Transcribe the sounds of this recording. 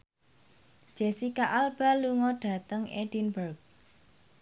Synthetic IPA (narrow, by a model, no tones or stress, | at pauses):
ʒ̥ɛsikaʔalb̥a̤luŋɔɖ̥ä̤t̪əŋʔed̥inbərk̚